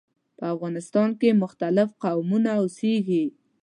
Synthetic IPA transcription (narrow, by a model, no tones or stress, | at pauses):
pəafɣɑnɪst̪ɑnkemʊxt̪alɪfqawmunaʊseɡi